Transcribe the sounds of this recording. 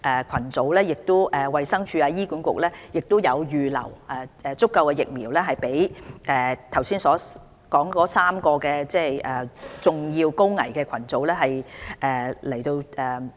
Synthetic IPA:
ʔɛː˨kʷʰɐ˨˩nt͡so˨˧˥wlɛː˥jɪ˨k̚t̪ʊ˥ʔɛː˨˩wɐ˨jsɐ˥ŋt͡ʃʰyː˧aː˧jiː˥kuː˨˥nkʷʊ˨k̚lɛː˥jɪ˨k̚t̪jɐ˨˧wjyː˨lɐ̰˨˩wʔa˨ɛː˨t͡sʊ˥kːɐ˧wkɛː˧jɪ˨k̚miː˨˩wlɛː˥ɦɐ˨jpe˨˥jʔɛː˨˩t̪ʰɐ˨˩wsiː˥nsɔː˨˥ | kɔː˨˥ŋkɔː˨˥saː˥mkɔː˧kɛː˧t͡sɛː˥˩ʔɛː˨˩t͡sʊ˨ŋjiː˧wko˥wŋɐ̰˨˩jkɛː˧kʰɐ˨˩nt͡so˨˥wlɛː˥ɦɐ˨jʔɛː˨lɐ˨˩jt̪o˧wʔɛː˨

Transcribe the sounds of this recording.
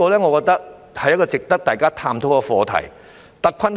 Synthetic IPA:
ɔː˧lɛː˥ŋɔ˨˧kɔː˧k̚t̪ɐ˥k̚ | hɐ˨jɐ˥kɔː˧t͡sɪ˨k̚t̪ɐ˥k̚t̪aː˨˩jkaː˥t̪ʰaː˧mt̪ʰo˨˥wkɔ˧fɔː˨˧t̪ʰɐ̰˨˩j | t̪ɐ˨˥kʷʰɐ˥n

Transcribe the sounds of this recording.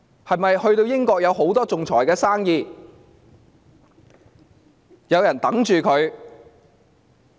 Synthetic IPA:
hɐ˨jmɐ˨jhɵ˧ɥt̪o˧wjɪ˥ŋkɔː˧k̚jɐ˨˧wɦo˨˥wt̪ɔː˥t͡sʊ˨ŋt͡sʰɔː˨˩jkɛː˧saː˥ŋjiː˨˧ | jɐ˨˧wjɐ˨˩nt̪ɐ˨˥ŋt͡ʃyː˨kʰɵ˨˧ɥ

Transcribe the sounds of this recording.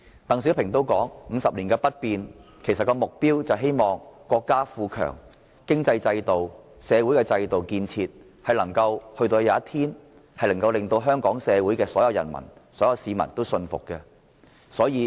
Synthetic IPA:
t̪ɐ˨˩ŋsiː˨˥wpʰɪ˨˩ŋt̪o˥wkɔː˨˥ŋŋ̩˨˧sɐ˨p̚liː˨˩nkɛː˧pɐ˥t̚piː˨nkʰe˨˩sɐ˨t̚kːɔː˧mʊ˨k̚piː˥wt͡sɐ˨wɦe˥jmɔː˨ŋkɔː˧kːaː˥fuː˧kʰœ̰ː˨˩ŋ | kɪ˥ŋt͡sɐ˧jt͡sɐ˧jt̪o˨w | sɛː˨˧wu˨˥jkɛː˧t͡sɐ˧jt̪o˨wkiː˧nt͡sʰiː˧t̚ | hɐ˨jlɐ˨˩ŋkɐ˧whɵ˧ɥt̪o˧wjaː˨˧˦t̪ʰiː˥n | hɐ˨jlɐ˨˩ŋkɐ˧wlɪ˨ŋt̪o˧wɦœː˥ŋkɔː˨˥ŋsɛː˨˧wu˨˥jkɛː˧sɔː˨˥jɐ˨˧wjɐ̰˨˩nmɐ̰˨˩nsɔː˨˥jɐ˨˧wsiː˨˧mɐ̰˨˩nt̪o˥wsɵ˧nfʊ̰˨kkːɛ˧ | sɔː˨˥jiː˨˧

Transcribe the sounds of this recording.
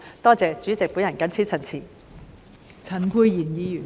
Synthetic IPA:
t̪ɔː˥t͡sɛː˨˧t͡ʃyː˨˥t͡sɪ˨k̚puː˨˥jɐ˨˩nkɐ˨˥nt͡sʰiː˥t͡sʰɐ˨˩nt͡sʰiː˨˩ | t͡sʰɐ˨˩nkʰuː˧jjiː˨˩njiː˨˧jyː˨˩

